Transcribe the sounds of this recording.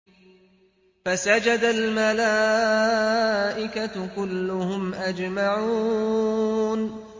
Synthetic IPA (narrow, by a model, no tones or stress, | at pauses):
fasad͡ʒad̪almalaː | ʔɪkakʊlːʊhʊmʔad͡ʒmaʕuː | n